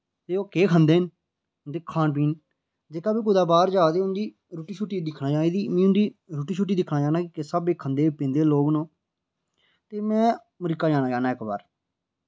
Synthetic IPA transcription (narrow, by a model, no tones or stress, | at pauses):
t̪eːoːkeːkʰənd̪eːn | d̪ɪːkʰːãːnpiːn | d͡ʒeːkaːpiːkʊd̪aːbaːɾd͡ʒaːd̪eːʊnd̪iː | ɾuːʈiːt͡ʃʰuːʈːiːd̪ɪkʰnaːt͡ʃaːeːd̪iːmĩːʊnd̪iːɾuːʈiːt͡ʃʰuːʈ̬ːiːd̪ɪkʰnaːd͡ʒaːnaːkikesəbeːkʰənd̪eːpɪ̃ːnd̪eːloːɡnõː | t̪eːmɛ̃ː | məɾɪkːaːd͡ʒaːnaːd͡ʒaːnaːɪkba̰ːɾ